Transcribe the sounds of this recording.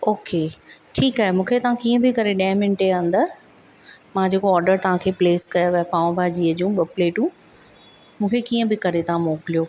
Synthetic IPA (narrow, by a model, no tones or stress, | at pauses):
oːkeʈʰiːkɦaːɦemũːkʰet̪ɐʋãkiːə̃bɪkɐɾeɗɐɦmɪnɪʈeãn̆d̪a | mãd͡ʑeːkoɔːɾɖəɾt̪ɐʋ̤ãkʰeːpleːskɐjaʋɛpaːʋũbʱaːd͡ʑiːəd͡ʑũːɓɐpleːʈũː | mũːkʰekiːə̃bɪkɐɾet̪ɐʋ̤ãmoːkɪlijo